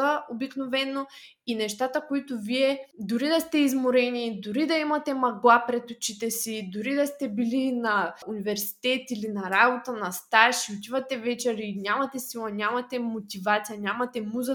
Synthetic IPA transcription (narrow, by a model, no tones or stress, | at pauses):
əobiknovɛnːo | inɛʃt̪at̪əkoit̪oviɛd̪ʊɾid̪ɐst̪ɛizmoɾɛnid̪ʊɾid̪ɐimɐt̪ɛmɐɡlˠapɾɛt̪ot͡ʃit̪ɛsid̪ʊɾid̪ɐst̪ɛbilinɐunivɛɾsi̥t̪ɛt̪ilinɐɾabot̪ənɐst̪aʃiʊt̪ivɐt̪ɛvɛt͡ʃɛɾinʲamɐt̪ɛsilˠɐnʲamɐt̪ɛmot̪ivat̪sijɐnʲamɐt̪ɛmuzə